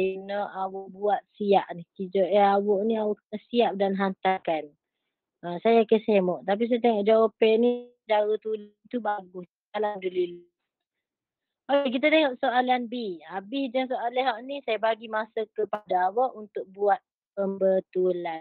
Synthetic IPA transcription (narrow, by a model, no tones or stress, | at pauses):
inɔʔawɔʔbuat̪̚siaʔnikid͡ʒɔʔɛawɔʔniawɔʔəsiap̚danɦant̪akan | ʔəsajakəsemɔʔt̪ap̬is̬ajat̪eŋɔʔ̚d͡ʒawopɛʔni | daɾut̪ulant̪ubaɡʊs | alamdulil | ok̬it̪̬at̪eŋɔʔsoʔalanbiabɪsd͡ʒaŋsoʔalɛɦaʔnisajabaɡimasəkəpadaːwɔʔunt̪ʊk̚buat̪̚ | pəmbət̪ulan